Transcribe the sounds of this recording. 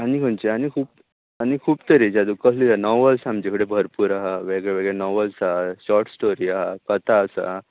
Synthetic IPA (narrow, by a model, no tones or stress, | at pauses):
anikʰənt͡ɕeanikʰuːp | añikʰuːpt̪əɾid͡ʑad̪ukəslianɔʋəlsaməd͡ʑekɽebʱəɾpuːɾaɦaʋeɡɭeʋeɡɭenɔʋəlsaɦaɕɔɾʈsʈoɾiːaɦakət̪ʰaːsa̰